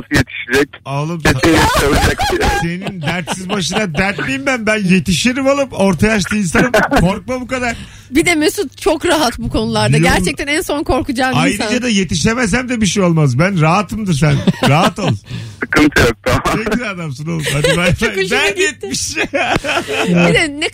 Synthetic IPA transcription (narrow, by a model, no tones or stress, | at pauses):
sɯjet̪ʰi̥ʃid͡ʒɛcalˠɯmesineɾsalˠɯd͡ʒaksise̞nind̪æɾt̪sizbaʃɯnd̪ad̪æɾt̪mejimbænbænje̞t̪iʃeɾimalˠɯpo̞ɾt̪ʰajaʃt̪ɯːinsanɯmkʰo̞ɾk̚mabukad̪aɾ̥ | bid̪ɛmesunt͡ʃʰokɾaɦat̪bukʰo̞nulˠaɾd̪aɟæɾt͡ʃɛc̚t̪ʰænænso̞nkʰo̞ɾkud͡ʒaːajɾɯd͡ʒad̪aje̞t̪iʃemɛs̬æmd̪ɛbiʃ̬ejo̞lˠmazbænɾaɦat̪ʰɯmd̪ɯɾs̬ænɾaɦat̪alˠɯɯkɯnt̪ʰɯjok̚t̪aeilʲiad̪amsɯnolˠɯmad̪abænjet̪miʃ | id̪ɛnɛ